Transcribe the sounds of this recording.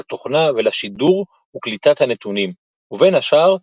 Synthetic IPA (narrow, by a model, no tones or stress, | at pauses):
at̪oχnavelaʃid̪uʁ | uklit̪at̪hanet̪unim | uve̞nhaʃaːʁ